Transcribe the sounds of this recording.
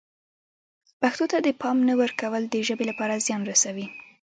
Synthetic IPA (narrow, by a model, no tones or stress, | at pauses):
paxt̪ot̪ad̪əpɑmnawəɾkawəld̪əʒəbelapɑɾazjɑnɾasawi